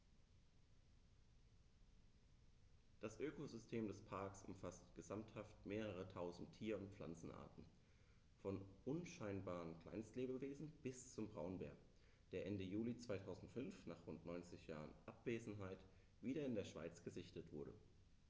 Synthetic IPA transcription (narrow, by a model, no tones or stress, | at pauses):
d̥asʔøːkozʏstʰeːmdɛspʰaɐksʔʊ̰mfastɡ̥əzamthaftmeːʁəʁ̞ətʰaʊzn̩tʰːiːɐʊntp͡fla̰nt͡sn̩ʔa̰ːɐtn̩ | fɔnʔʊnʃaɪnbaːʁənkl̥a̰ɪnstleːbəveːzn̩b̥ɪst͡sʊmbʁaʊnbɛ̰ːɐk | d̥eːɐʔɛndəjuːlit͡sv̥aɪtʰaʊzn̩tfʏnfnaːχʁʊntnɔʏnt͡sɪçja̰ːʁə̰nʔapv̥eːzn̩ɦaɪt | v̥iːɾɐɪndeːɐʃv̥a̰ɪt͡sɡ̥əzɪçtətv̥ʊɐɾə̰